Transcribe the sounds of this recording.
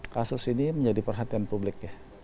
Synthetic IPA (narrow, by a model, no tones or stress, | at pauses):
kasʊsiniməɲd͡ʒadipərɦat̪ianpublɪkjah